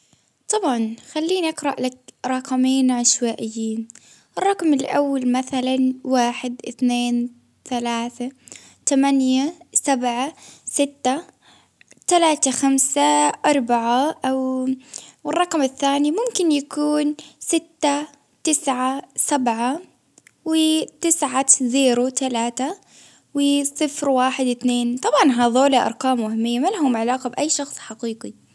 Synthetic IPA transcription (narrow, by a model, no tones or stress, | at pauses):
t̪ˤɑbʕɑnxalːiːnʔɑqɾˤɑʔlakɾˤɑqmiːnʕaʃwaːʔɪjːiːn | ʔɪrˤːɑqmɪlʔawːalmaθalanwaːħɪd̪ʔɪθneːn | θalaːθa | t̪amanjasabʕasɪt̪ːa | t̪alaːt̪axamsaʔɑɾˤbaʕaʔaw | wɪrˤːɑqmaθːaːnimʊmkɪnjakuːnsɪt̪ːa | t̪ɪsʕasabʕa | wɪt̪ɪsʕazeːɾut̪alaːt̪a | wɪsˤɨfɾwaːħɪd̪ɪt̪neːnt̪ˤɑbʕɑnɦaːðˤoːlaʔɑ̰ɾˤqɑːmːʊhɪmːijːamalɦʊmʕalaːqɑbʔajːʃɑxsˤħaqiːqi